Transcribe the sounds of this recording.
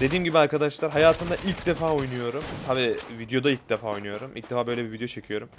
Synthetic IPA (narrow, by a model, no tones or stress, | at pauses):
d̪e̞d̪iːmɟibiaɾkʰad̪aʃlˠaɾɦajaːt̪ʰɯnd̪aʔilʲcd̪efaːojnujo̞ɾumt̪ʰabiːvid̪jo̞d̪ailʲc̚ʲd̪efaːo̞jnujo̞ɾumʔilʲcd̪̥efaːbø̞jlʲebivid̪ejot͡ʃʰe̞cʰijo̞ɾum